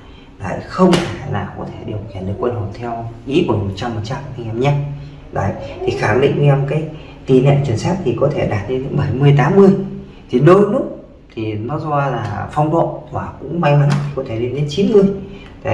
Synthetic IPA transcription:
la̰ː˧˨jxə˧wŋ͡mt̪ʰe˧˩laː˨˩wkɔ̰˨˦t̪ʰe˧˩ɗi˨˩əwxi˧˩nɗɨ˨˩ə˩kːwə˧nho˨˩t̪ʰɛ˧wʔḭ˧˥ku˧˩əmo˨˩t̚t͡ɕmːo˨˩t̚t͡ɕa˧mʔa˧ŋʔɛ˧mɲaː˧ | la̰ː˧˨jt̪ʰi˨˩xa˧˩ŋɗḭ˧˨ŋ̟t͡ɕɔ˧wŋ͡mkaː˨˦j | t̪i˧nɛ̰˧˨nt͡ɕwi˧˩ənsaː˦˥k̚t̪ʰi˨˩kɔ˨˦t̪ʰe˧˩ɗaː˨˩t̚ne˧˦nɨ̰˧˥ŋɓə˧˩jmɨ˧əjt̪aː˨˦mːɨ˧əj | t̪ʰi˨˩ɗo˧jlʊ˦˥k͡p̚ | t̪ʰi˨˩nɔ˨˦zwaː˧laː˨˩fɔ˧wŋ͡mɗo̰˧˨t̪waː˨˩kʊ̰˧˥ŋ͡mma˧jma̰˧˨˦ŋt̪ʰi˨˩kɔ˨˦t̪ʰe˧˩ɗi˧˩ɗe˨˦nt͡ɕi˨˦nmɨ˧˩əj | t̪a̰ː˧˨

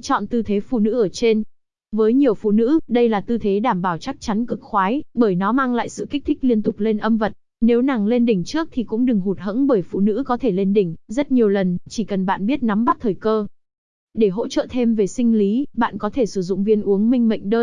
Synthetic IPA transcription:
t͡ɕɔ̰˧˨nt̪ɨ˧t̪ʰe˨˦fṵ˧˨nɨ̰˧˥ʔəː˧˩t͡ɕe˧n | vəː˨˦jɲi˨˩əwfṵ˧˨nɨ̰˧˥ɗə˧jlaː˨˩t̪ɨ˧t̪ʰe˨˦ɗaː˧˩mɓaː˧˩wt͡ɕa˦˥k̚t͡ɕa˨˦nkɨ˨˩k̚xwaː˨˦jɓəː˧˩jnɔ˨˦maː˧ŋla̰ː˧˨jsɨ̰˧˨ki˦˥k̚t̪ï˦˥k̟̚li˧ənt̪ʊ˨˩k͡p̚le˧nʔə˧mvə˨˩t̚ | ne˨˦wna˨˩ŋle˧nɗï˧˩ŋ̟t͡ɕɨ˦˥ək̚t̪ʰi˨˩kʊ̰˧˥ŋ͡mɗɨ˨˩ŋɦu˨˩t̚ɦə̰˧˥ŋɓəː˧˩jfṵ˧˨nɨ̰˧˥kɔ˨˦t̪ʰe˧˩le˧nɗï˧˩ŋ̟zə˦˥t̚ɲi˨˩əwlə˨˩nt͡ɕi˧˩kə˨˩nɓa̰ː˧˨nɓi˦˥ət̚na˨˦mɓa˦˥t̚t̪ʰəː˨˩jkəː˧ | ɗe˧˩ɦo̰˧˥t͡ɕə̰˧˨t̪ʰe˧mve˨˩sï˧ŋ̟li˨˦ɓa̰ː˧˨nkɔ˨˦t̪ʰe˧˩sɨ˧˩zʊ̰˧˨ŋ͡mvi˧ənʔu˨˦əŋmï˧ŋ̟mə̰˧˨jŋ̟ɗəː˧

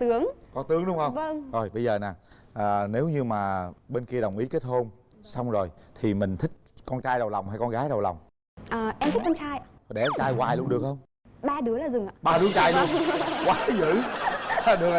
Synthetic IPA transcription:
t̪ɨ˨˦əŋkɔ˨˦t̪ɨ˨˦əŋɗʊ˨˦wŋ͡mhə˧wŋ͡mvə˧ŋzo˨˩jɓə˧jzəː˨˩naː˨˩ʔəː˨˩ne˨˦wɲɨ˧maː˨˩ɓe˧nki˧əɗə˨˩wŋ͡mʔi˨˦ke˦˥t̚ho˧n | sa˧wŋ͡mzo˨˩jt̪ʰi˨˩mï˨˩ŋ̟t̪ʰï˦˥k̟̚kɔ˧nt͡ɕaː˧jɗə˨˩wla˨˩wŋ͡mɦaː˧jkɔ˧nɣaː˨˦jɗə˨˩wla̰˨˩wŋ͡m | ʔəː˨˩ʔɛ˧mt̪ʰt̚kɔ˧nt͡ɕaː˧j | ɗɛ˧˩˦t͡ɕaː˧jɣwaː˨˩jlnɗɨ˨˩ək̚hə˧wŋ͡m | ɓaː˧ɗɨ˨˦əlaː˨˩zʊ˨˩ŋ͡ma̰ː˨˧˨ɓaː˧ɗɨ˨˦ət͡ɕaː˧jlu˧əkwaː˨˦zɨ̰˧˥˨ | ɗɨ˨˩ək

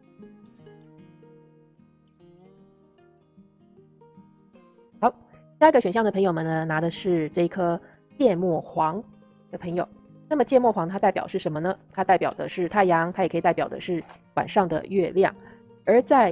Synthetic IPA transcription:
xɑ˨˧˥ʊ | t̪i˥a˥˩ɡə˩ɕɥɛ˨˩nɕjɑ˥˩ŋd̪pʰɤ˧˥ŋjo˨˩ʊmə˩nə˦na˧˥d̪ə˧ʂɻ̩˥˧ʈ͡ʂɤ˥˩i˧˥kʰɤ˥ | t͡ɕjɛ˥˧mwɔ˥˩xwɑ˧˥ŋ | d̪ə˩˨pʰɤ˧˥ŋjo˨˩˦ʊ | na˥˩mə˩t͡ɕjɛ˥˧mwɔ˥˩xwɑ˧˥ŋə˧a˥a˥˩ɪpjɑ˨˩ʊʂɻ̩˥˩ʂə˧˥nmə˧nə˧t̪ʰa˥t̪a˥˩ɪpjɑ˨˩ʊd̪ə̰˦ʂɻ̩˥˩t̪ʰa˥˩ɪjɑ˧˥ŋt̪ʰa˥jkʰt̪a˥˩jɑ˨˩ʊd̪ə̰˦ʂɻ̩˥˩ | wa̰˨˩nʂɑ˥˩ŋd̪ə̰˩ɥɛ˥˧ljɑ̰˥˩ŋ | ə˞˧˥t͡sa˥˧ɪ

